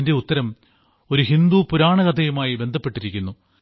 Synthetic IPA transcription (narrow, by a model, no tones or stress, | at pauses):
inde̞ut̪ːɐɾɐm | o̞ɾuɦind̪upuɾaːɳɐɣɐd̪ʰʱɐjumaːjibe̞nd̪ʱɐpːe̞ʈːiɾikʲːunːu